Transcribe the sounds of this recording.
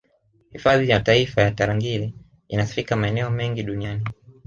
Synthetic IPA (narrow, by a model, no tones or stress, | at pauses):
hifaðijataifajataɾaŋɡili | inasi̥fikamaɛnɛɔmɛŋɡiɗuniani